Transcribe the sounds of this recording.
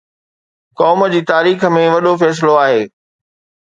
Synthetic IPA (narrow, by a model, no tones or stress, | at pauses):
kɔːmə̆d͡ʑiːt̪aːɾiːxə̆mẽʋɐɗofɛːs̬ɪloaːɦeː